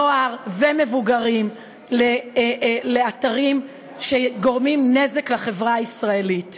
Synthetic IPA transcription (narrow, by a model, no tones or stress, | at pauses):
oaʁveme̞vuɡaʁim | le | le̞ataʁim | ʃeɡo̞ʁmimne̞zeklaχe̞vʁaisʁae̞lit